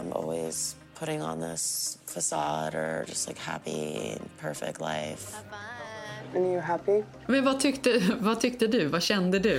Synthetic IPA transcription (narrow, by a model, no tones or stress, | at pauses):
ɪ̃mʔɔ̰lˠwiz̥ | pʰʊɾɪ̃ŋə̰̃nðɪsfəsɑɾə˞d͡ʒʌst̚ˡlaɪkhæ̰pḭɪ̰̃npʰɜ˞fɪ̰k̚tˡla̰ɪf | ɨ̃njəɦæpi | mɛnvat̪ʰʏkt̪əvat̪ʰʏkt̪əd̪ʉvaɕɛnd̪əd̪ʉ